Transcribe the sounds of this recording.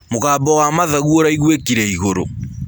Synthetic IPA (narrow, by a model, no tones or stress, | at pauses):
moɣaːbɔwamaðaɣuoɾaiɣwekiɾɛiɣoɾo̰